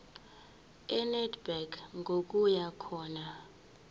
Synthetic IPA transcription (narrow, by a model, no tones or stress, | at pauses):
ɛnɛdbɛkŋɡʱok̬ʼujakʰɔːna